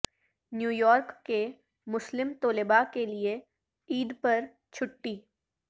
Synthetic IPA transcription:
njuːjɔːɾkːe | mʊslɪmt̪oːlɪbakelie | iːd̪pɐɾ | t͡ʃʰʊʈːiː

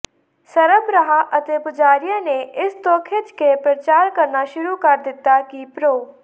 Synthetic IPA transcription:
sɐɾəbɾəɦaʔɐt̪epʊd͡ʒaːɾijãneɪst̪oːkʰɪd͡ʒkepɾət͡ʃaːɾkɐɾnaʃʊɾukɐɾd̪ɪt̪ːakipɾoː

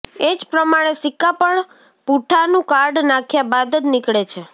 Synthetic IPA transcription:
ed͡ʒpɾəmaɽ̃esɪkːapəɳ | puʈʰanũkaɾɖnakʰjabad̪d͡ʒnɪkɭet͡ʃʰe

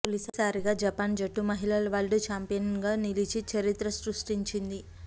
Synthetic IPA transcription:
polisɐsaːɾiɡaːd͡ʒɐpaːnd͡ʒɐʈːumɐɦilɐlɐʋaːlɖut͡ʃaːmpijɐnɡaːnilit͡ʃit͡ʃɐɾit̪ɾɐsɾuʂʈiɲt͡ʃind̪i

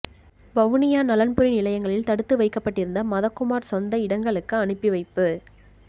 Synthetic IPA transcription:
bɐʋnɪjaːnɐlɐnpɯɾinɪlɐjɐŋɡɐɭɪlt̪ɐɽɯt̪ːɯʋɐɪkːɐpːɐʈːɪɾɯnd̪ɐmɐðɐkːʊmaːɾsɔnd̪ɐɪɽɐŋɡɐɭɯkːɯɐɳɯpːiʋɐɪpːɯ

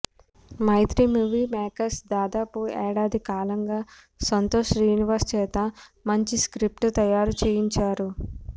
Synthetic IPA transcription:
mɐjt̪ɾimuːʋiːmɛːkɐsd̪aːd̪aːpuɛːɽaːd̪ʱikaːlɐŋɡaː | sɐnt̪oːʂɾjuːniʋɐɾst͡ʃɛːt̪ɐmɐɲt͡ʃiskɾip̚ʈt̪ɐjaːɾut͡ʃeːjiɲt͡ʃaːɾu

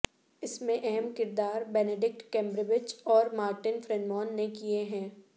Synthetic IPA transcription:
ɪsmẽʔɛɦɛmkɪɾd̪aːɾbɛːneɖɪk̚ʈkɛ̃ːmbɾɪbɪd͡ʒɔːɾmaːɾʈɪnfɾɛnmɔːnːekieɦɛ̃ː

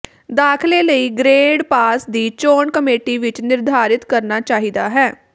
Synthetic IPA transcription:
d̪aːkʰleːləiːɡɾeːɖpaːsd̪iːt͡ʃoːɳkəmeːʈiːʋɪt͡ʃnɪɾd̪ʱaːɾɪt̪kəɾnaːt͡ʃaːɦiːd̪aːɦɛː

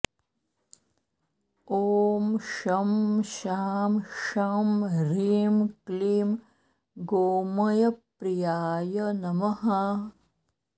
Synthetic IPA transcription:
oːmʃɐmʃaːmʃaːmɾiːmkliːm | ɡoːmɐjɐpɾijaːjɐnɐmɐɦɐ

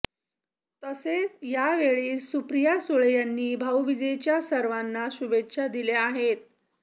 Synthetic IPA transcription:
t̪əsejaʋeɭiːsupɾijasuɭejanːiːbʱawʋid͡ʑəjt͡ɕjasəɾʋanːaɕubet̪ːɕʰad̪ileaɦet̪̚

